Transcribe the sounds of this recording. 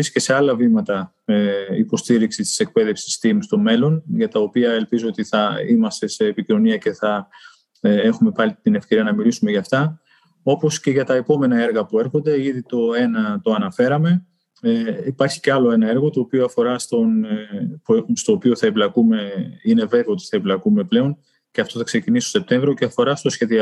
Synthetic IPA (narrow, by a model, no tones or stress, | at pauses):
isce̞se̞ɐlɐvimɐt̪ɐ | eipo̞st̪iɾiksit̪i̥se̞k̚pe̞ðe̞fsi̥st̪imst̪o̞me̞lo̞nʝɐt̪ɐopiɐe̞lpizoot̪iθɐimɐst̪e̞se̞ːpicino̞niɐce̞θɐ | e̞xume̞pɐlit̪ine̞fkce̞ɾiɐnɐmilisume̞ʝɐːft̪ɐ | o̞po̞sce̞ʝɐt̪ɐepo̞me̞nɐe̞ɾɣɐpue̞ɾxo̞nd̪e̞iðit̪o̞e̞nɐt̪o̞ɐnɐfe̞ɾɐme̞ | ipɐɾçi̥ce̞ɐlo̞e̞nɐe̞ɾɣo̞t̪o̞ːpioɐfo̞ɾɐst̪o̞npst̪o̞ːpio̞θɐeblɐkume̞ine̞ve̞veo̞t̪i̥θɐeblɐkume̞ple̞o̞n | ce̞ɐft̪o̞θɐkse̞cinist̪ose̞p̚t̪e̞ɱvɾio̞ceɐfo̞ɾɐst̪o̞sçe̞ðiɐ